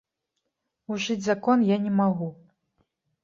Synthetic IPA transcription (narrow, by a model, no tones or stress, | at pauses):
uʐɨd͡zʲzakɔnjanʲɛmaɣu